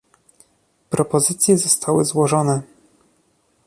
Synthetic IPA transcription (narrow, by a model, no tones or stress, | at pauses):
pɾɔpɔzɘt̪sʲjɛzɔst̪ʰawɘzwɔʐɔnɛ